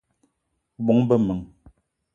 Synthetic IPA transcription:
ɓɔ˨˦ŋbə˦mə˨ŋ

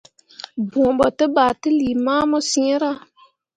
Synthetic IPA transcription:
bũ˨bɔ˨tə˦ba˨tə˦li˨ma˦mɔ˦si˦e˦ɾa˦

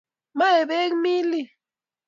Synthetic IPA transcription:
ma˦e˨be˦kmi˦li˨

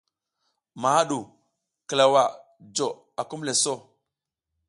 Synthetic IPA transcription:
ma˨a˦ɗu˨ | kə˨la˨wa˨ | d͡ʒo˨ | a˨ku˦mle˨so˦˨

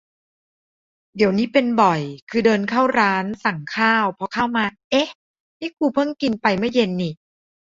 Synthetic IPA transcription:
di˨˩˦wniː˦˥pe˧nbɔ˨˩jkʰɯː˧dɤː˧nkʰaː˥˩wɾaː˦˥nsa˨˩ŋkʰaː˥˩wpʰɔ˧kʰaː˥˩wmaː˧ʔe˦˥ | niː˥˩kuː˧˩pʰɤ˥˩ŋki˧npa˧jmɯ˥˩je˧nːi˨˩

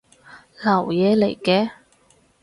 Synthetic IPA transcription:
lɐ˨˩wjɛː˨˧le˨˩jkɛː˧

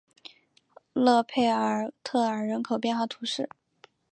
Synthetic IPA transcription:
lɤ˥˧pʰe˥˩ɪə˞˨˩t̪ʰɤ˥˩ə˞˨˩ɻə˧˥nkʰo˨˩ʊpjɛ˥˧nxwa˥˩t̪ʰu˧˥ʂɻ̩˥˩

